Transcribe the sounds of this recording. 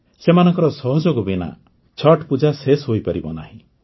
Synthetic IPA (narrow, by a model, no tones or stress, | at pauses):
semanɔŋkɔɾɔsɔɦɔd͡ʒoɡɔbina̰ | t͡ʃʰɔʈpud͡ʒasesɦojpaɾibɔ̰na̰ɦĩ